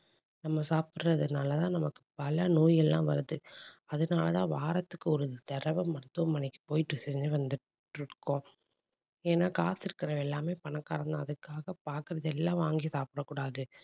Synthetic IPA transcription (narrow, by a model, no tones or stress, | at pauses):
nɐmːɐsaːpɯɾrɐðɯnaːlɐt̪ãːnɐmɐkːɯ̥pɐlɐnoːjɛlːãːʋɐ̰ɾɯðɯɐðɯnaːlɐt̪ãːʋaːɾɐt̪ːɯkːɯɔɾɯt̪ɛɾɐʋɐmːɐɾɯt̪ːɯʋɐmːɐnɪkːɯ̥poːjɪʈːɯsɛɲd͡ʒɯʋɐnd̪ɯ | ʈrɯkːõː | eːnaːkaːsɪɾɯkːɪɾɐʋɛlːaːmeːpɐɳɐkːaːɾɐnd̪ãːɐðɯkːaːɣɐpaːɾkɪɾɐðɛlːãːʋaːŋɡisaːpɪɾɐkːuːɽaːðɯ